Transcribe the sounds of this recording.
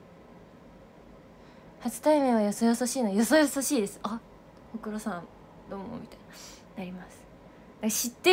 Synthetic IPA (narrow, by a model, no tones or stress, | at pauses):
hat͡sɨ̥t̪aimeβajo̞sojosoɕiːnoajo̞sojosoɕiːd̪e̞sɨ̥a | okɯ̟ɾosãn | d̪̥o̞ːmo̰mʲit̪ana | naɾʲimasɨ̥ | d̪̥akaɕit̪ːe